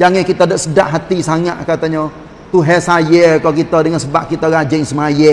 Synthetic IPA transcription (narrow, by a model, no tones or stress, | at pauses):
d͡ʒaŋɛkit̪adaʔsədaʔɦat̪isaŋat̪̚kat̪aɲa | t̪uɦɛsajəkakit̪adəŋansəbaʔ̚kit̪aɾad͡ʒɪŋsəmajə